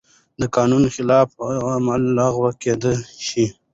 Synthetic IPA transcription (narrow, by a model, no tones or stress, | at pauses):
d̪əkɑːnunxɪlɑfamalːɑɣwəked̪əʃi